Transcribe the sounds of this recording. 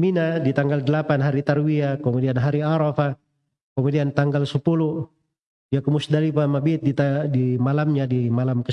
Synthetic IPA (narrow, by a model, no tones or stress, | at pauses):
minadit̪aŋɡaldəlapanɦaɾit̪arwiakɔmudianɦaɾiaɾɔfa | kɔmudiant̪aŋɡalsəpulu | iakumusdalipamabit̪̚dit̪adimalamɲadimalamkə